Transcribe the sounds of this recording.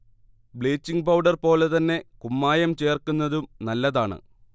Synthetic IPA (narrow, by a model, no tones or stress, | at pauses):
bɭe̞ːt͡ɕːiŋɡpɐwɖɐrpo̞ːle̞t̪ɐnːe̞kumːaːjɐmt͡ɕe̞ːrkunːɐðumnɐlːɐðaːɳɨ̰